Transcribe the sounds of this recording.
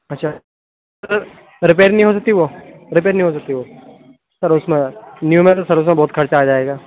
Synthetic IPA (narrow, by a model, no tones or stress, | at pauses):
ɐtːʃʰa | ɾ | ɾɪpeːɾnɐɦĩɦoːsɐk̚t̪iʋoːɾɪpeːɾnəɦĩɦoːs̬ɐk̚t̪iʋoː | sɐɾʊsmẽnjuːmẽt̪sɐɾʊs̬mẽbɔːt̪kʰɐɾt͡ʃaːd͡ʒaːeːɡaː